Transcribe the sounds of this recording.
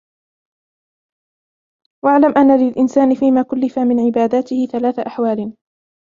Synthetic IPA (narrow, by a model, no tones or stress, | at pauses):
waʕlamʔanːalɪlʔɪnsaːnɪfiːmaːkʊlːɪfamɪnʕɪbaːd̪aːt̪ɪhɪθalaːθaʔaħwaːl